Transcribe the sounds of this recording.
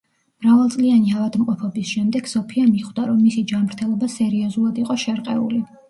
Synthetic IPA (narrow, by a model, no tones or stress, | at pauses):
mɾavalˠt̪sʼlianiavad̪mqʼɔpʰɔbisʃɛmd̪ɛɡ̥sɔpʰiamiχwd̪aɾɔmːisid͡ʒanmɾt̪ʰɛlˠɔbasɛɾiɔzulˠad̪iqʼɔʃɛɾqʼɛṵli